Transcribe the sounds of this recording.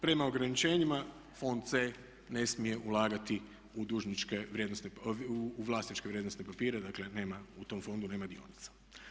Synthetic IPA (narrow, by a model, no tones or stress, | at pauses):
pɾe̞mao̞ɡɾanit͡ʃe̞ːɲima | fo̞nd̪t̪se | ne̞smije̞ʔulˠaːɡat̪i | ud̪uːʒnit͡ʃkeʋɾjed̪nost̪neuʋlˠaːst̪nit͡ʃkeʋɾjed̪nost̪nepapiːɾed̪akle̞ne̞ːmaut̪o̞mfo̞nd̪uneːmad̪io̞̰nit̪sḁ